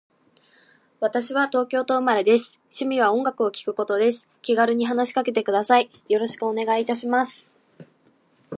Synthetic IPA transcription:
βat̪aɕiβat̪o̞ːkʲo̞ːt̪o̞ɯ̟maɾe̞d̪e̞sɨ̥ | ɕimʲiβ̞aõ̞ŋɡakɯ̟o̞kʲi̥kɯ̟ko̞t̪o̞d̪e̞sɨ̥kʲiɡaɾɯ̟ɲ̟iɦanaɕi̥kake̞t̪e̞kɯ̟d̪asai | jo̞ɾo̞ɕi̥kɯ̟o̞ne̞ɡait̪aɕimasɨ̥

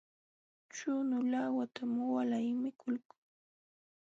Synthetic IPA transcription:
t͡ʃʊnʊlawat̪amwalajmɪkʊlkḁŋ

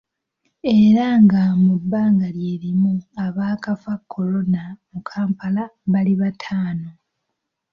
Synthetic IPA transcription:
e̞ɾaŋɡamubːaːŋɡaljeːɾimuaβaːkafakʰːo̞lo̞namukʰaːmpalaβaliβatʰaːno̞

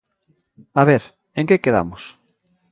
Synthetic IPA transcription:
aβeɾ | ẽŋkekeða̰mos

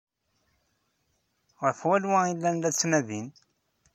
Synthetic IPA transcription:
ʁəɾfwælwæilːænlæt͡sːmæðin

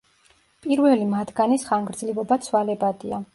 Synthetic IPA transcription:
pʼiɾvɛlimad̪ɡanisχaŋɡɾd̪zlibɔbat̪sʰwalɛbad̪ia

